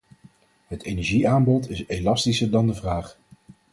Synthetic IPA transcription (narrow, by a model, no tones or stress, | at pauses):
ɦətejnɛɹʒiaːmbɔtɪselɑstisəɹdɑndəvraːχ